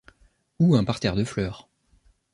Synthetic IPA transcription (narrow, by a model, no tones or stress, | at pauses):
uɛ̃paʁt̪ɛʁd̪əflœːʁ